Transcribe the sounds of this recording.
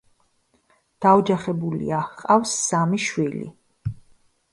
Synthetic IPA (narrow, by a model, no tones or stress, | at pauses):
d̪̥aɔd͡ʒaχɛbulḭaqʼafsːamiʃwilḭ